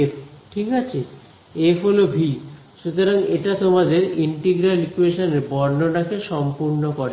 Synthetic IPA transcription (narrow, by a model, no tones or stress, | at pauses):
epʈʰikat͡ɕʰe | efɦolobʱil | ʃut̪oɾaŋeʈat̪omad̪eɾiɳʈiɡɾalikueʃoneɾbɔɾnonakeʃɔmpuɾnokɔɾe